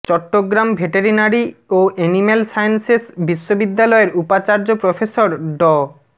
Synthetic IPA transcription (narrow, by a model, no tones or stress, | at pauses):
t͡ɕɔʈːoɡɾambʱeʈeɾinaɾioenimelsajensesbiʃːobid̪ːalɔeɾupat͡ɕaɾd͡ʑopɾofʰesoɾɖɔ